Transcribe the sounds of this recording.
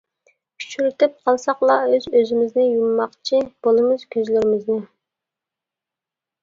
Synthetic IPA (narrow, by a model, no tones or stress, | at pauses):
kʲʰy̥t͡ʃyɾyt̪ɪp̚qʰɑlˠsɑqlˠɑøzøzɪmɪznɪjumːɑqt͡ʃʰib̥olˠɨmʊz̥kʲʰøzlɪɾɪmɪznɪ